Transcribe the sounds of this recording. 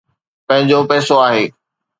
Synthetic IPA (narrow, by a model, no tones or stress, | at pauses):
pɐ̃ɦɪ̃ɲd͡ʑopɛːsoaːɦeː